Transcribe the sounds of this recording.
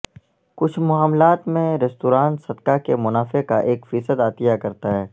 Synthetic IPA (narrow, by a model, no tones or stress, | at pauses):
kʊt͡ʃʰmʊaːmlaːt̪mẽɾɛst̪uːɾaːnsɐd̪kakemʊnaːfekaʔeːkfiːsəd̪aːt̪ijakɐɾt̪aɦɛː